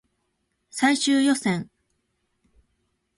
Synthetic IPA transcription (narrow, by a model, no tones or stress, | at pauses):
saiɕɨːjo̞sẽŋ